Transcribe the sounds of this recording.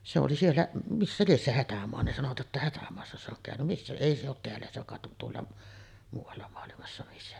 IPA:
se oli sielːæ misːæ lies se hætæmoɑ ne sɑnoʋɑt jotːɑ hætæmoɑsːɑ se oŋ kæˑøny misːæ eˑi se ot teælːæ se kɑˑet ʔon tuolːɑ muːʋˑɑlːɑ moɑlimɑsːɑ misːæ

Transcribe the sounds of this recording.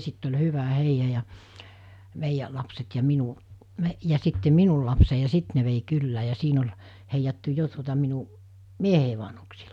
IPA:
sitː olʲ hyʋæ heijɑ jɑ meijæ lɑpset jɑ minu me jɑ sitːe minul lɑpsei jɑ sit ne ʋei kylːæː jɑ siːn olʲ heijɑtːu jo tuotɑ minu miehei ʋɑnhuksiː

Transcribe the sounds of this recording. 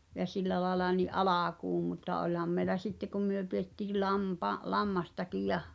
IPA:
jɑ silːæ lɑĕlɑ niʔ ʔɑlɑˑkuːm mutːɑ olʲhɑm mei̞læ sitːe kum myø pietːiː lɑmpɑ lɑmːɑstɑkij jɑh

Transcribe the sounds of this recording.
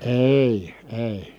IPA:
eˑi eˑi

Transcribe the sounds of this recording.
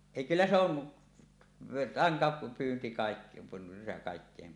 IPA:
eˑi kylːæ se on rɑntɑpyːnti kɑˑik kɑˑikːeˑim

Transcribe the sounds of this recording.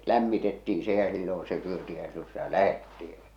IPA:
læmːitetːiː se jɑ silːõː se syøti jɑ silːõː sitæ læhetːi j̊ɑ̥

